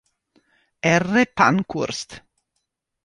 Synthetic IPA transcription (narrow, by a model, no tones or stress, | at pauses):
ɛrepa̰nkʰuɾst̪